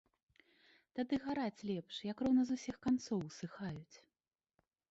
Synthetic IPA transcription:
t̪ad̪ɨɣaɾat͡sʲlʲɛpʂjɐkrɔwnɐzusʲixkant̪sɔwsɨxajut͡sʲ

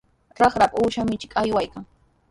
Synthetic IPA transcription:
ɾɑχɾapʼuːʃamɪt͡ʃɪ̥kʼajwajkaŋ

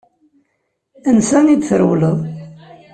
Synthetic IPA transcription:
ənsænid̪θəɾwləðˤ

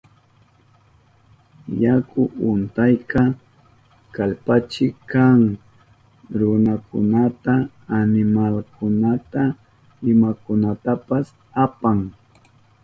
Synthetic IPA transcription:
jakʊʔʊnt̪ajkɑ | kalpat͡ʃɪkaŋ | ɾʊnakʰʊ̰nat̪aː | nɪmalkʊnat̪a | ɪmakʊnat̪apas | apaŋ

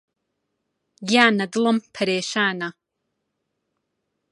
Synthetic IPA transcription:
jaːnɐdɨlɐmpʰɐɾeːʃaːna

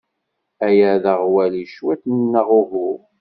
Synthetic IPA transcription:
æjæðəʁwæliʃwæt̪nnːəʁʊɦʊ

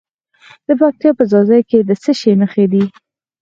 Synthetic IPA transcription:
d̪̥əpɑk̚t̪ijɑpəzɑzəjked̪əsəʃeməxed̪i

